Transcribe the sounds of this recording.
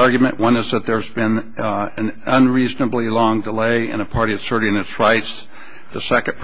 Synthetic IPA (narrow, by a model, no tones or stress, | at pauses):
ɑɹɡjmɨ̃nʔwʌ̃nɨzðɨt̪̚ðə˞zbɪ̃n | ɨ̃nə̃nɹiznəblilɔ̃ŋdəleɪɨ̰̃nɨpʰɑɹɾiɨsɜ˞ɾɪ̃ŋɨtsɹaɪts | ðɨsɛkɨ̃pʰ